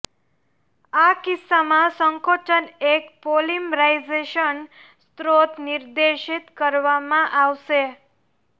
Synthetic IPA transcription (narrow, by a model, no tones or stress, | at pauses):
akɪsːamãsəŋkoʈənekpolimɾaizeʃən | st̪ɾot̪nɪɾd̪eʃit̪kəɾʋamãʔaʋʃe